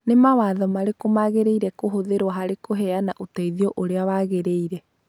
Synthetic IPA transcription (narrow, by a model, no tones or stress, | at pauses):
nemawaðɔmaɾekomaɣeɾeiɾɛkoɦoðeɾwaɦaɾekoɦɛanaʔotaiðiɔʔoɾeawaɣeɾeiɾɛ